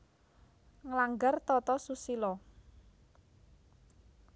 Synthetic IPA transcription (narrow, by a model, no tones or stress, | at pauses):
ŋəlaŋɡart̪ɔt̪ɔsusilɔ